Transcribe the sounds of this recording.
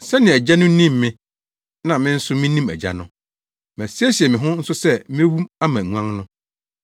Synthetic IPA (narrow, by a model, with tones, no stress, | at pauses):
sɛ˦nɪ̃˨æ˨d͡ʑa˦nʊ̃˦nĩ˦mːɪ̃˦ | nã˨mɪ̃˦n̩˦sʊ˦mɪ̃˦nĩ˦mæ̰˨d͡ʑa̰˦nʊ̃˦ | mæ̃˨sæ˦ɕi˨ɛ˨mɪ̃˨ɦʊ̃˦n̩˦sʊ˦sɛ˦mɪ̃˦wu˦ma˦mã˨ŋʷ˦ã˦ŋnʊ̃˦